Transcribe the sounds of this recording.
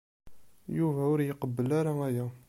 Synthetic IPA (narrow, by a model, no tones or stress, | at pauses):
juvæʊɾjəqəbːəlaɾaæjæ